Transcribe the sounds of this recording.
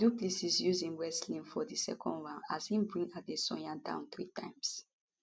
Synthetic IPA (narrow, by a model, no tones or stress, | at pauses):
duplisisjuzĩŋwɛslĩŋfɔðisɛ̰kɔ̰̃ndɹãnazhĩmbɹĩŋat̚desɔ̰̃ãntã̰ʊ̃nθɹitã̰ɪ̃ms